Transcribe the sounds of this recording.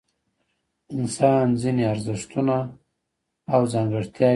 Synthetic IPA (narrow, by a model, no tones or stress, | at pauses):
ɪnsɑnzineaɾzɪʂt̪una | wzɑːŋɡaɽt̪jɑ